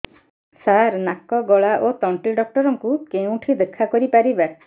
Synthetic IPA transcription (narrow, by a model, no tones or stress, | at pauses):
saɾnakɔɡɔɭaʔot̪ɔɳʈiɖɔk̚ʈɔɾɔŋkukeũʈʰid̪ekʰːakɔɾipaɾiba